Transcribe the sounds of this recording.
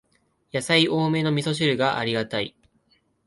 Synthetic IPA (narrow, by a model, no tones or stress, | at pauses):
jasaiʔo̞ːme̞ːno̞mʲiso̞ɕ̬iɾɯ̟ɡaʔa̰ɾʲiɡat̪aḭ